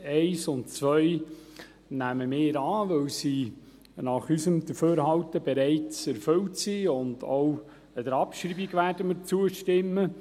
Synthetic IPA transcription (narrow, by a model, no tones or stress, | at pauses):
ɛɪsʊntt͡sʋœj | næməmɪːɾɑːʋɵwsiː | nɑχysəmd̥̪əføːɾɦɑwtəbɛɾɛɪt͡sɛɾfɵwtsiːʊndow | əd̪əɾɑpʃɾiːbiɡʋæːɾdəməɾt͡suəʃtɪmːə